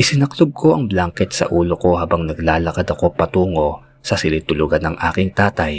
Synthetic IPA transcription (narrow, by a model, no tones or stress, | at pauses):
ʔɪsɪnɐklob̚ko̞ʔɐŋblaŋkɛt̪̚sɐ̰ʔuːlo̞ko̞haːbɐŋnɐɡ̚laːlɐkɐd̪ɐko̞pɐt̪uːŋo̞ | sɐsɪlit̪ʊlʊɡɐnɐŋʔaːkɪŋt̪aːt̪ɐj